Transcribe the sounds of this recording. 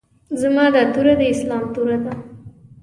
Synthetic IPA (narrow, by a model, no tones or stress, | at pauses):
zamɑd̪at̪uɾad̪əɪslɑmt̪uɾad̪a